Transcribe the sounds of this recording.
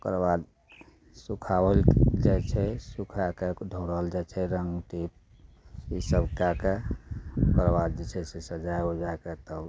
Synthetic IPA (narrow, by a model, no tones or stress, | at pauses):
kəɾbad̪ | sukʰabəld͡ʒajt͡ʃʰɛsukʰaked̪ʱoɽəld͡ʒat͡ʃʰɛɾəŋɡʈip̚ | isəbkake | pəɾbad̪d͡ʒɛt͡ʃʰɛsesəd͡ʒajɦod͡ʒaeket̪əb